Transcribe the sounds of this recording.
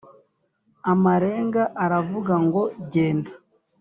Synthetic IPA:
amaɾe̞ːŋɡaʔaɾavuɡaŋɡo̞ɟeːnda

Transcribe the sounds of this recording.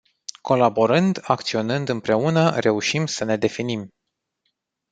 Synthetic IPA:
ko̞labo̞ɾɨnd̪ak̚t̪sio̞nɨnd̪ɨmpɾe̞unəɾe̞uʃimsəne̞d̪e̞finim

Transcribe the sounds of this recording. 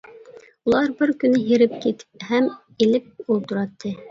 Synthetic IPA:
ulˠɑɾbɘɾkɵ̆nɘɦiɾɘp̚kit̪hæm | ilɘp̚ulˠt̪ŭɾɑt̪ːɤ

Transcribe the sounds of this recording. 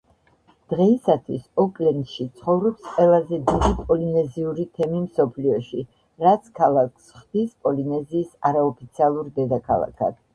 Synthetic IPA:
d̪̥ʁɛisat̪ʰwisɔkʼlɛnʃit̪sʰχɔvɾɔpsqʼwɛlˠazɛd̪id̪ipʼɔlinɛziuɾit̪ʰɛmimsɔpʰliɔʃi | ɾat̪sʰkʰalˠakʰsχd̪ispʼɔlinɛziːsaɾaɔpʰit̪sʰialˠuɾd̪ɛd̪akʰa̰lˠa̰kʰa̰d̪̥

